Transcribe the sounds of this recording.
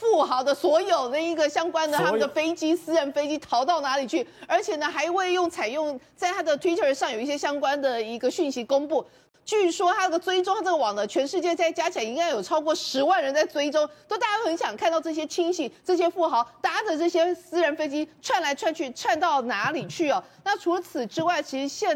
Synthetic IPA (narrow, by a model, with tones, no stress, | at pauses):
fu˥˩xɑ˧˥ʊd̪ə˧swɔ˧˥jo˨˩ʊna˥˩i˧˥ɡə˨ɕjɑ˥ŋkwa˥nd̪ə˨t̪ʰa˥mə˨d̪ə˩fe˥ɪt͡ɕi˥sɹ̩˥ɻə˧˥nfe˥ɪt͡ɕi˥t̪ʰɑ˧˥ʊt̪ɑ˥˩ʊna˧˥li˨˩t͡ɕʰy˥˩ə˞˧˥t͡ɕʰjɛ˨˩nə˧˦xa˧˥ɪwe˥˧ɪjʊ˥˩ŋt͡sʰa˨˩ɪjʊ˥˧ŋt͡sa˥˩ɪt̪ʰa˥d̪ə˨t̪ʰwe˥ɪt̪ʰə˧˥ʂɑ˥˩ŋjo˨˩i˥˩ɕjɛ˥ɕjɑ˥ŋkwa˥nd̪ə˨i˧˥ɡə˧ɕy˥˩nɕi˧˥kʊ˥ŋpu˥˩ | t͡ɕy˥˩ʂwɔ˥t̪ʰa˥ɡə˨˩t͡swe˥ɪʈ͡ʂo˥ŋxa˧ʈ͡ʂɤ˥˩ə˩wɑ˨˩ŋd̪ə˦t͡ɕʰɥɛ˧˥nʂɻ̩˥˧t͡ɕjɛ˥˧t͡sa˥˩ɪt͡ɕja˥t͡ɕʰjɑ˧˥ŋi˥ŋka˥ɪjo˨˩ʊʈ͡ʂʰɑ˥ʊkwɔ˥˩ʂɻ̩˧˥wa˥˩nɻə˧˥nt͡sa˥˩ɪt͡swe˥ɪʈ͡ʂʊ˥ŋt̪o˥ʊt̪a˥˧˩ja˥xə˧˥nɕjɑ˨˩ŋkʰa˥˧nt̪ɑ˥˧ʊʈ͡ʂɤ˥˩ɕ̬jɛ˥t͡ɕʰi˥ŋɕi˨˩ʈ͡ʂɤ˥˩ɕ̬jɛ˥fu˥˩xɑ˧˥ʊt̪a˧˥ʈ͡ʂə˨ʈ͡ʂɤ˥˩ɕjɛ˥sɹ̩˥ɻə˧˥nfe˥ɪt͡ɕi˥ʈ͡ʂʰwa˥˩nla˧˥ɪʈ͡ʂʰwa˥˧nt͡ɕʰy˥˧ʈ͡ʂʰwa˥˧nt̪ɑ˥˩ʊna˧˥li˨˩t͡ɕʰy˥˩ɐ˩na˥˩ʈ͡ʂʰu˧˥lə˧t͡sʰɹ̩˨˩ʈ͡ʂɻ̩˥wa˥˩ɪt͡ɕʰi˧˥ʂɻ̩˧˥ɕjɛ˥˧